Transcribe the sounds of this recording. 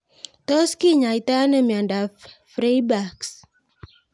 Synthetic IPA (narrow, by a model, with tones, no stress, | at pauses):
tɔ˦ski˦ɲa˨i˨ta˦nə˦˨mja˨nda˨fɾe˦jba˨ks